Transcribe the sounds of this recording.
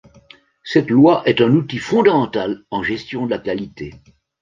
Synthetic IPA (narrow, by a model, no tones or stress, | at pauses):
sɛt̪lwaʔɛt̪ɛ̃nut̪ifɔ̃d̪amɑ̃t̪alɑ̃ʒɛst̪jɔ̃d̪əlakalit̪e